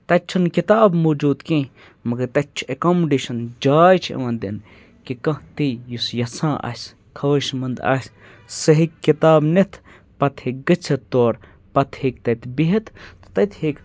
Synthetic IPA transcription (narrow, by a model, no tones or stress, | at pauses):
t̪ɐt͡ʃʰɐnkit̪aːbmoːd͡ʒuːd̪kẽː | mɐɡɐɾt̪ɐt̚ʲt͡ʃʰekoːmɖiːʃɐnd͡ʒaːjt͡ʃʰḛʋɐnd̪ḭn | kikɐ̃ɦt̪ijusjɐsãːʔɐ̰ːsʲ | kʰɐʋɐʃmɐnd̪a̰ːsʲ | sɐɦikːit̪aːbnet̪ʰ | pɐt̪ʰhek̚ɡɐt͡sʰɐt̪ːoːɾ | pɐt̪ʰheːk̚t̪ɐt̪ʰbiɦɐt̪t̪t̪ɐt̪ʰheːk